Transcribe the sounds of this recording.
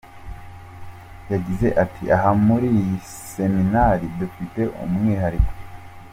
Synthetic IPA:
jaɟize̞ʔatʰḭʔaɦamuɾiji | se̞minaɾidufite̞ʔṵmŋiɦaɾiko̥

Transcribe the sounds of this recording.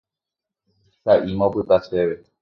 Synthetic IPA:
saʔimõpɨt̪aseʋe

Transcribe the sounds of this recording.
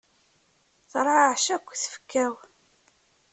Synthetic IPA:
θɾˤɑʕʃækʷːθə̥fə̥kːæw

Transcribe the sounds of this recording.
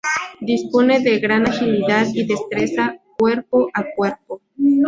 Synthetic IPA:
d̪ispo̞ne̞ðe̞ɣɾanaxiliðaðiðe̞st̪ɾe̞sakwe̞ɾpoʔakweɾpo

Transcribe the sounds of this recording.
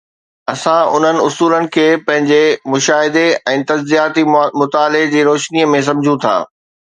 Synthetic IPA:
ɐsãʊ̰n̤ənɪ̆ʊsuːlənɪ̆kʰeːpɐ̃ɦɪ̃ɲd͡ʑemʊʃaːɦɪd̪eɛ̃ːt̪ɐd͡ʑzijaːt̪imʊt̪aːled͡ʑiːɾoːʃniəmẽs̬ɐ̃md͡ʑʱũt̪ʰa̰ː

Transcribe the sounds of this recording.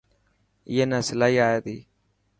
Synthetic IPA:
ɪ̰ːeːnãːsɪlaːɦiːaːeːt̪iː

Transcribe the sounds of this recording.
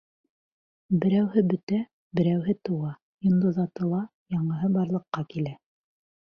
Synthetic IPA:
bɘ̆ɾæwhɘbɵ̆t̪æ | bɘ̆ɾæwɦɘt̪ɤ̆wɑ | ĭnd̪oðɑt̪ɤ̆lˠɑ | jɑɴɤ̆ɦɤbɑɾlˠɤ̆qːɑkilæ

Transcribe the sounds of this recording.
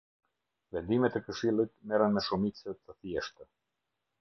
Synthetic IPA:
vɛnd̪imɛt̪ɛkəʃilˠit̪mɛɾənmɛʃumit͡sət̪əθjɛʃt̪ə

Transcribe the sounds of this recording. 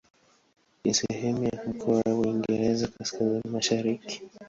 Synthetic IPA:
nisɛɦɛmujam̩kʰɔwawwiŋɡɛɾɛzakaskazinimaʃaɾiki̥

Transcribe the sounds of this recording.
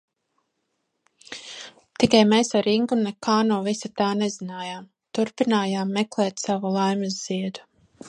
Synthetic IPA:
t̪ikajmeːsaɾiŋɡunɛkʰaːnɔːvisat̪aːnezinaːjaːm | t̪uɾpinaːjaːmːɛklˠɛːt̪savulˠajmɨz̥ːiɛd̪u̥

